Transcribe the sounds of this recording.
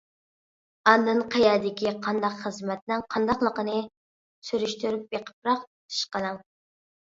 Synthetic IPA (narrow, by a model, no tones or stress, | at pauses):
ɑnːɨnqʰɑjɑːd̪ɪkʲiqʰɑnd̪ɑqχəzmɛt̪nɪŋqʰɑnd̪ɑχlˠəqənɨ | syɾyʃt̪yɾyp̚jeqʰə̥p̚ɾɑqtʰɨ̥ʃqənɨŋ